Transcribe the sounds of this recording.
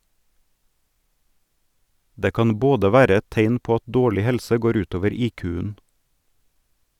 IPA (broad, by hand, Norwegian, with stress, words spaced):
ˈdeː ˈkɑn ˈboːdə ˈʋæːɾə ˈɛt ˈteɪn ˈpoː ˈɑt ˈdoːɭɪ ˈhɛlsə ˈɡoːɾ ˈʉːt ˈoːʋəɾ ˈiːkʉːən